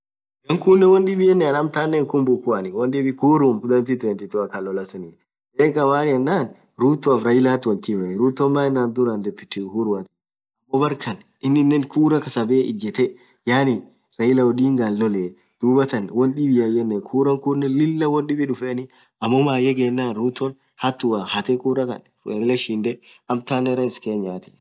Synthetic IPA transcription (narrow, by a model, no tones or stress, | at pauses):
ɡɐŋkunːɛwɔnɗibijɛnːɛanamt̪anːɛnkumbukuwaniwɔnɗibikuːɾɔmpud̪ant̪ituɛnt̪it̪uwakalɔlasuni | ɗɛkamaːnianːan | ɾut̪ːɔafɾajilat̪ɔlt̪imɛɾut̪ːɔmːaɛnːand̪uɾandɛpːit̪ːihuɾwat | amːɔbɐɾkʰɐn | ʔinːinːɛnkʰuːɾakɐsabɛʔḭd͡ʒɛt̪ɛ | jaːnɪ | ɾɐjɪlɐwɔdiːŋɡalːɔleː | d̪̥uːbɐt̪ɐnwɔnɗɪbɪjɐjɛnːekʰuːɾɐŋkʊnːɪlɪlːɐwɔnɗɪbɪᶑʊfenɪ | ɐmːɔmaːjɛɡeːnːaːnɾuːt̪ːɔn | hɐt̪ːʊwahɐt̪ɛkuːɾɐkɐ̰n̰ | lɛʃɪnd̪ɛɐmt̪aːnɛɾɐɪskeːɲːaːt̪ɛ̥